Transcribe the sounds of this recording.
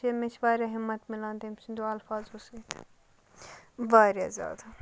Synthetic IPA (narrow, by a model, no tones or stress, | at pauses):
emet͡ʃʰʋaːɾjaɦɪmːɐt̪mɪlãːnd̪emsind̪oɐlfaːzoset̪ʰ | baːɾja̰zʲja̰ːd̪a